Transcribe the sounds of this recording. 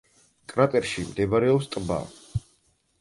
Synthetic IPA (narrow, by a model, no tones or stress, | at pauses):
kʼɾat̪ʼɛɾʃimd̪ɛbaɾɛɔpst̪ʼba̰